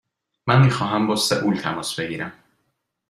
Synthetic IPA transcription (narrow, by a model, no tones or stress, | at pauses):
mænmiːxɒːɦæmbɒːseʔult̪ʰæmɒːsbe̞ɡiːɾæm